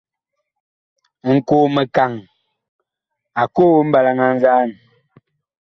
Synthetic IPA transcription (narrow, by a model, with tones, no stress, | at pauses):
ŋ̩˨koː˦˨me˨ka˨ŋ | a˨ko˦m̩˦ba˨la˨ŋa˨n̩˦za˦˨n˨